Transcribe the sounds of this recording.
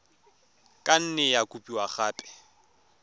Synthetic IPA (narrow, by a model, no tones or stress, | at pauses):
kʼan̩nɛjakʼupʼiwaχaːpʼɛ̥